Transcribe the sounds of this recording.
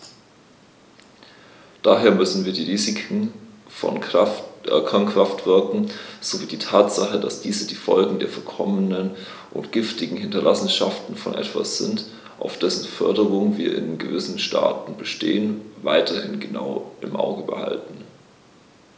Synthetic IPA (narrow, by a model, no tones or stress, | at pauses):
d̥aːɦeːɐmʏsn̩viːɐdiːʁiːzɪkʰŋ̩ | fɔ̰n | kʰɐnkʁ̥aftv̥ɪɐkŋ̩z̥oviːdiːtʰaːtz̥aχədasd̥iːzədiːfɔlɡŋ̩deːɐfɛɐkʰɔmənən | ʔʊ̰ntɡ̥ɪftɪɡŋ̩hɪntɐlʔasn̩ʃaftn̩fɔ̰nʔɛ̰tv̥a̰sz̥ɪ̰nt | ʔaʊfd̥ɛsn̩fœɐdəʁ̞ʊŋəviːɐɪ̰nɡəvɪsn̩ʃta̰ːtn̩bəʃtḛːənva̰ɪtʰɐhɪnɡəna̰ʊʔɪmʔa̰ʊɡəbə̰ha̰ltn̩